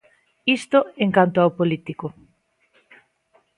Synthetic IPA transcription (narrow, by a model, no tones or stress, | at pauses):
ist̪oeŋkant̪ʊawpolit̪iko